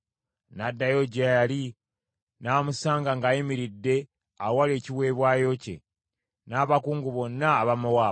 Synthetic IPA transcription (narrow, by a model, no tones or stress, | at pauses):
nadːajoɟajali | namusaːŋɡaŋɡajimiɾidːe̞ | awaleciwe̞ːβwaːjo̞cḛ | naːβakuːŋɡuβo̞nːaːβamowa